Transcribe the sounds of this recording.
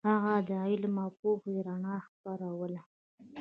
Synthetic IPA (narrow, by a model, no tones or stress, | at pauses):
haɣad̪əajlmɑpoxjɾaɳɑxpaɾawəla